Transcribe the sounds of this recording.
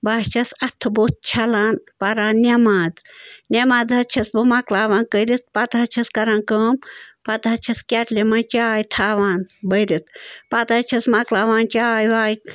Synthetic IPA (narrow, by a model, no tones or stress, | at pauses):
baːʃt͡ʃʰɐsɐt̪ʰːɨbot̪̚t͡ʃʰɐlaːnpɐɾaːnnʲɐmaːd͡znʲɐmaːd͡zɦɐtt͡ʃʰɐsbɨmaklaːʋaːnkəɾit̪̚pɐt̪ɦɐt͡ʃʰɐskɐɾaːnkəːmpɐt̪ɦɐt͡ʃʰɐskʲɐʈlʲemɐnt͡ʃaːjit̪ʰaːʋaːnbəjɾit̪̚ʰpɐt̪ɐt͡ʃʰɐsmaklaːʋaːnt͡ʃaːjʋaːj